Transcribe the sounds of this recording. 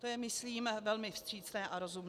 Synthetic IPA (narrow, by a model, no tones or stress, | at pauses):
t̪ojɛmɪsliːmvɛlmɪfst̪r̥iːt͡snɛːʔaɾozumn